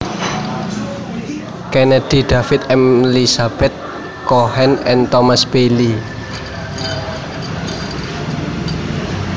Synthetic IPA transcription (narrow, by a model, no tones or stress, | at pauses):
kenɛd̪̥i̤ɖ̪̥afɪt̪ɛmlisab̥ɛt̪̚ | kohɛnɛnt̪ɔmasb̥eli